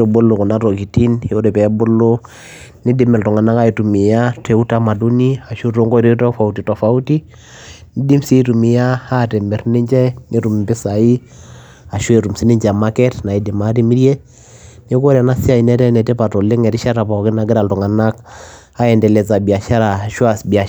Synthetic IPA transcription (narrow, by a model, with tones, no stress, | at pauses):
o˨bo˦lo˨kɔ˨na˦ɾo˨ki˨ti˦nhe˦o˦ɾe˨pɛ˨˦bʊ˦lo˦ | ni˦di˨mɛ˨ltɔ˨ŋa˨na˦ka˦i˨tu˨mi˨ja˦tɛ˨u˦ta˦ma˨du˦ni˦a˨ʃu˦ɾo˦ŋɡo˦ɾi˦tɔ˦fa˨u˨ti˨to˨fa˨u˦ti˦ | ni˦di˦msi˦tu˨mi˨ja˦a˦tɛ˨mɛ˨ɾni˦ɲd͡ʒɛ˦ni˦ɾu˨m˨bɪ˦sa˨i˦ | a˨ʃu˦e˨ɾu˨msi˦ni˦ɲd͡ʒɛ˨a˨ma˦kɛ˦tna˨i˦dɪ˨ma˦ti˦mi˦ɾje˦ | ni˦ko˦ɾɛ˨na˦si˦a˦˨i˨nɛ˦tɛ˦nɛ˨tɛ˦pa˨to˨le˦ŋɛ˨ɾi˦ʃa˦ɾa˨pa˨kɪ˦na˨˦ɡɪ˦ɾa˨ltɔ˨ŋa˨na˦k | a˦ɛ˨ndɛ˨lɛ˨t͡sa˨bi˨a˨ʃa˦ɾa˨ʃwa˨sbia˨